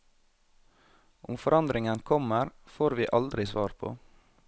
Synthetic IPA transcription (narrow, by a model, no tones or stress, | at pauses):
ʔʊmfɔɾɑnd̪ɾɪŋənkʰɔməɾfoːɾʋiːʔɑld̪ɾɪsʋɑːɾpʰo̰ː